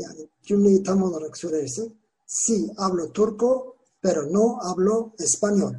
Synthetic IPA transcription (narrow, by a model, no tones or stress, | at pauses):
ja̰ni | d͡ʒunit̪amonoɾaksuɾeɾsi | siaβlot̪uɾko | peɾonoaβloespanjol